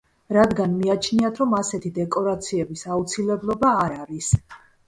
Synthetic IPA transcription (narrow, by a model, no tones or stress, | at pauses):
ɾad̪ɡanmiat͡ʃʰniat̪ʰɾɔmasɛt̪ʰid̪ɛkʼɔɾat̪sʰiɛbisaut̪sʰilɛblˠɔbaːɾaɾis